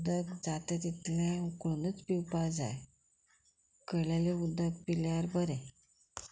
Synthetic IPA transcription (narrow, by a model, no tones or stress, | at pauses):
d̪ək̪d͡zat̪ət̪it̪lãukɭunət͡spiwpad͡za̰j | kəljaleud̪ʱːət̪̚piljaɾbəɾɛ̃